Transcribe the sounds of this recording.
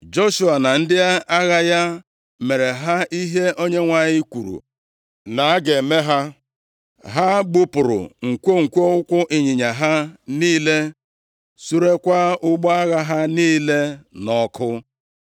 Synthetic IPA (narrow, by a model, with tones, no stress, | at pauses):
d͡ʒo˦ʃu˨a˨na˨n̩˦dɪ˦a˦a˦ɣa˦ja˦ | me˨ɾe˨ɦa˦i˦ɦe˦ʔo˦ɲe˦ŋʷa˨ɲɪ˦kʷu˨ɾṵ˨ | na˨a˦ɡe˨me˦ɦa˦ | ɦa˦ɡ͡bʊ˦pʊ˨ɾʊ̰˨ŋ̩˨kʷo˦ŋ̩˨kʷo˦ʊ˦kʷʊ˦ʔɪ˨ɲi˨ɲa˨ɦa˦niː˦le˦ | su˦ɾe˦kʷa˦ʊ˦ɡ͡bɔ˦a˦ɣa˦ɦa˦niː˦le˦nɔ˨kʰʊ˦